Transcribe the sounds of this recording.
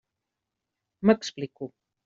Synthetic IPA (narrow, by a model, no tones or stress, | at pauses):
maksplɪku